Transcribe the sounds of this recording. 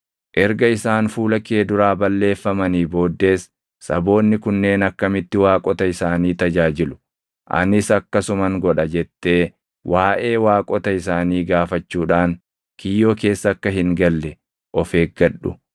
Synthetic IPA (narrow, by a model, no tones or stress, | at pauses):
ʔɛɾɡɐɪsaːnfuːlɐkeːd̪ʊɾaːbɐlːe̞ːfːɐmɐniːbo̞ːd̪ːe̞ːs | sɐ̰bo̞ːnːɪkʊnːe̞ːnɐkːɐmɪt̪ːɪwaːkʼɔt̪ɐɪsaːniːt̪ɐd͡ʒaːd͡ʒɪlʊ̥ | ʔɐ̰nɪsɐkːɐsʊmɐŋɡɔᶑɐd͡ʒɛt̪ːe̞ː | wʔaːʔe̞ːwaːkʼɔt̪ɐɪsaːniːɡaːfɐt͡ʃːuːᶑaːn | kʰɪjːo̞ːke̞ːsːɐːkːɐɦɪŋɡɐlːɛ | ʔɔfeːɡɐᶑʊ̰